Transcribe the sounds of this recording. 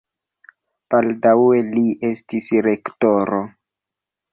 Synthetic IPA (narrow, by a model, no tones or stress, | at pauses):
b̥aldawe̞liʔe̞stisɾe̞ktoɾo